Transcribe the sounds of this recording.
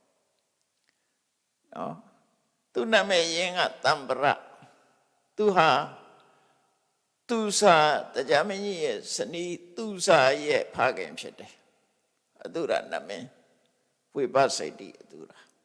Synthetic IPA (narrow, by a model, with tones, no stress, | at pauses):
nɔ̰˦ | t̪u˦˨n̥a˦˨ʔmɪ̃˨jɪ̃˦ŋɡa̰˦˨t̪ã˨mbəɾa̰˦˨ʔ | t̪u˨ɦa˨ | t̪u˨sa˨t̪ə˨d͡ʑa˦mɪ̃˦ɲi˦˨jɛ˦˨səni˦t̪u˨sa˨jɛ˦˨ʔpʰa˦ɡã̰˨mpʰjɪ̰˦tːɛ˨ | ʔə˨t̪u˦˨ɾa̰˨nã̰˦ʔmɪ̰̃˦˨ | we˨ba̰˦˨sḛ˦ɪt̪ḭ˦˨ʔət̪ṵ˦˨ɾa˨